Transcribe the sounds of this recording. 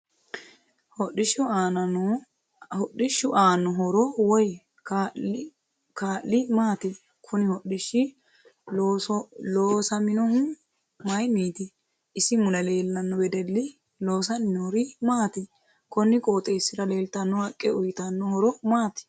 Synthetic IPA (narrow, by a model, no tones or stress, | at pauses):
hɔɗɪʃʊaːnɐnɔ | hɔɗɪʃːʊʔaːnːɔɦɔɾɔwɔj | a | kaːlɪmaːt̪ɪ | kʰʊnɪhɔɗɪʃːɪ | loːsɐmɪnɔhʊ | mɐjmiːt̪ɪ | ʔɪsɪmʊlɐle̞ːlːɐnːɔbɛd̪ɛlːɪ | loːs̬ɐnɪnɔɾɪmaːt̪ɪ | kɔnːɪkʼoːt̪ʼeːsːɪɾɐle̞ːlt̪ɐnːɔhɐkʼːɛʊjt̪ɐnːɔhɔɾɔmaːt̪ɪ̥